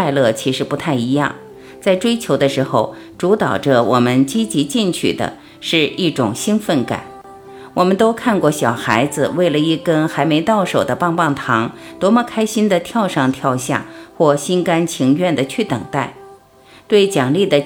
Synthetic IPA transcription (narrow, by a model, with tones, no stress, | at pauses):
a˥˧ɪlɤ˥˩t͡ɕʰi˧˥ʂɻ̩˧˥pu˧˥t̪ʰa˥˩ɪi˧˥jɑ̰˥˩ŋ | t͡sa˥˩ɪʈ͡ʂwe˥ɪt͡ɕʰjo˧˥ʊd̪ə˧ʂɻ̩˧˥xo˧ʊ | ʈ͡ʂu˧˥t̪ɑ˨˩ʊʈ͡ʂə˦wʔɔ̰˨˩mə˦nt͡ɕi˥t͡ɕi˧˥t͡ɕi˥˩ŋt͡ɕʰy̰˥˩d̪ə̰˦ | ʂɻ̩˥˧i˥˩ʈ͡ʂʊ̰˨˩ŋɕi˥nfə˥˩nka̰˨˩˦n | wɔ˨˩mə˦nt̪o˥ʊkʰa˥˧nkwɔ˥˩ɕjɑ˨˩ʊxa˧˥ɪd͡zɹ̩˧we˥˩ɪlə˩i˥˩kə˥nxa˧˥ɪme˧˥ɪt̪ɑ˥˩ʊʂo˨˩ʊd̪ə˦pɑ˥˧ŋpɑ˥˩ŋt̪ʰɑ˧˥ŋt̪wɔ˧˥mə˥˧kʰa˥ɪɕi˥nd̪ə˨t̪ʰjɑ˥˧ʊʂɑ˥˧ŋt̪ʰjɑ˥˧ʊɕja̰˥˩xwɔ˥˩ɕi˥nka˥nt͡ɕʰi˧˥ŋɥɛ˥˩nd̪ə˩t͡ɕʰy˥˩t̪ɤ̰˨˩ŋt̪a˥˩ɪ | t̪we˥˩ɪt͡ɕjɑ˨˩ŋli˥˩d̪ə˩